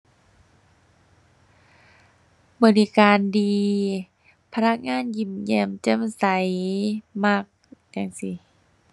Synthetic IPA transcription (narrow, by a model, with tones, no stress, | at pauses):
bɔː˧˨li˧kaː˨ndiː˨˧ | pʰa˧na˧˥k̚ŋaː˧˥˨nji˧˩mjɛ˧˩mt͡ɕɤ˧˥˨msa˨˦jma˧˩k̚t͡ɕa˧˨ŋsi˧˦